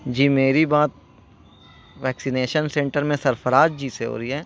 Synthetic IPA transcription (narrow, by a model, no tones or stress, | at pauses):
d͡ʒiːmeːɾibaːt̪̚ | ʋɛːksineːʃənsẽːɳʈəɾmẽsɐɾfəɾaːd͡ʒd͡ʒiːseɦo̰ːɾəiɦɛː